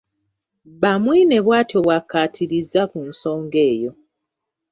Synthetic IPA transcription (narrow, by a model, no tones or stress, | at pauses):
βamwine̞βwaːtʰo̞βwakːaːtʰiɾizakunso̞ːŋɡe̞ːjo̞